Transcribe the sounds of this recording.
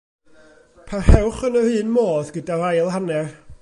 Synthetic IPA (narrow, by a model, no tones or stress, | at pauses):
pʰahɛwχənərɨːnmoːðɡədaɾajlˠhanɛr